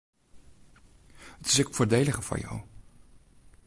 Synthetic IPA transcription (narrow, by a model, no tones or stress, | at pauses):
ətɪ̥sɛkfʊːɹdejləχəfɑ̰ɹja̰w